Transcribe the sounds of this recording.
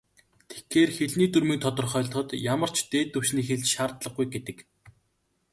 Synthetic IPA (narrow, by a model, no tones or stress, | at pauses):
t̪ʰe̥kxeːrxeɮniːt̪ɵrmĭːnt̪ʰɔt̪ɞ̆rχœːɮ̆χɞ̆t̪jamə̆r̥t͡ɕʰt̪eːt̪ːɵwʃniːxeɮt͡ɕʃaːrt̪ɮə̆χɡujɡet̪ɘ̆k